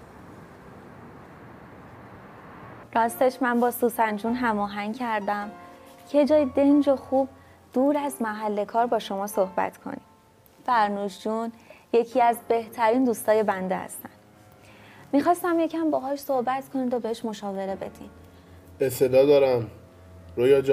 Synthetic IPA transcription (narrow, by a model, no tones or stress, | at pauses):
ɾɒːst̪e̞ʃmænbɒːsusænd͡ʒuːnɦæmɒːɦæŋcʰæɾd̪æmcʰe̞d͡ʒɒːjid̪end͡ʒoxuːb̚ | d̪̥uːɾæzmæɦælːe̞kʰɒːɾbɒːʃo̞mɒːso̞hbæ̰t̪ʰkʰo̰nid̥ | fæɾnuːʃd͡ʒunje̞cʰiæzbe̞ht̪ʰæɾiːnd̪uːst̪ɒːje̞bænd̪ehæ̰st̪ænd̪̥ | mixɒːst̪æmje̞cʰæmbɒːɦɒːʃso̞hbæt̪kʰo̞nid̪obeheʃmo̞ʃɒːve̞ɾe̞be̞̰d̪̥im | est̪ʰe̞d̪ɒːd̪ɒːɾæm | ɾojɒːd͡ʒ